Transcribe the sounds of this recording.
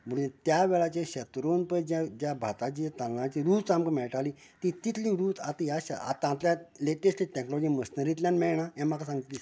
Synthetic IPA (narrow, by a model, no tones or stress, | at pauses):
məɽuẽt̪jaʋɛɭat͡ɕeɕɛt̪ɾonpəd͡ʑãd͡ʑjabʱat̪at͡ɕit̪ãllãt͡ɕiɾuːd͡zt͡samkəmɛɭʈaliː | t̪ĩt̪it̪ʰliːɾuːt͡s̪ʰat̪iaɕa̰a̰t̪ãt̪ljaleʈesʈliʈɛknɔlɔd͡ʑiːməsnəɾit̪lʲjanmɛɭɳajãm̤akasãŋɡit̪liː